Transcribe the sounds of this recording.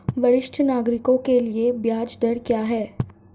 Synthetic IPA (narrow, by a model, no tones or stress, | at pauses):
ʋɐɾɪʃʈʰnaːɡɾɪkõkeliebjaːd͡ʒd̪ɐɽkjaːɦɛː